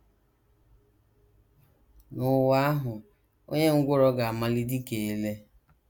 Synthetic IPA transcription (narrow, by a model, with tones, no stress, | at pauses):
nʊ˨wa˦a˦ɦʊ˨ | o̰˦ɲe˦ŋ̩˦ɡʷʊ˦ɾɔ˦ɡa˨a˨ma˦li˦di˦ke˨e˦le˦